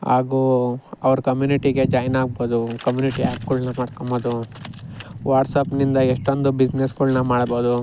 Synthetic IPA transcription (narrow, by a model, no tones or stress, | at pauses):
a̰ːɡuɐʋɐɾkɐmjuːniʈiɡe̞d͡ʒaːjnaːɡ̚boːd̪ukɐmjuːniʈiaːpɡuɭnɐmaːɽkombod̪u | ʋaːʈsɐpnind̪ɐeʂʈond̪ubid͡ʒnesɡuɭnɐmaːɽboːd̪u